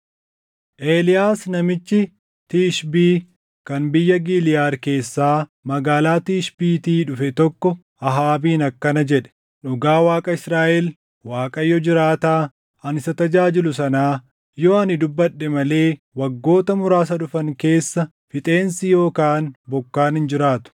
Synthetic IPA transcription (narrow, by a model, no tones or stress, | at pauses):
ʔeːlɪjaːsnɐmɪt͡ʃːɪ | t̪iːʃbiː | kɐnbɪjːɐɡiːlɪjaːɾke̞ːsːaːmɐɡaːlaːt̪iːʃbiːt̪iːᶑʊfɛt̪ɔkːɔ | ɐɦaːbiːnɐkːɐnɐd͡ʒɛᶑɛ̥ | ᶑʊɡaːwaːkʼɐɪsɾaːʔɛl | waːkʼɐjːɔd͡ʒɪɾaːt̪aː | ɐnɪsɐt̪ɐd͡ʒaːd͡ʒɪlʊsɐnaː | joːɐnɪd̪ʊbːɐɗːɛmɐle̞ː | wɐɡːo̞ːt̪ɐmʊɾaːs̬ɐɗʊfɐŋke̞ːsːɐ | fɪt̪ʼe̞ːnsɪjo̞ːkaːnbɔkːaːnhɪnd͡ʒɪɾaːt̪ʊ̥